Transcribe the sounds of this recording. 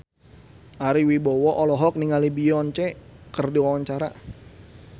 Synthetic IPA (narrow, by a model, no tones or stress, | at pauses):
ʔaɾiwibɔwɔʔɔlɔɦɔk̚niŋalibiɔnt͡ʃekərdiwawaɲt͡ʃaɾa